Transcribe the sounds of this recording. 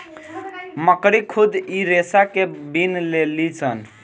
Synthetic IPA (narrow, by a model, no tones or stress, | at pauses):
məkɾikʰud̪iɾesakebinlelit͡ʃʰən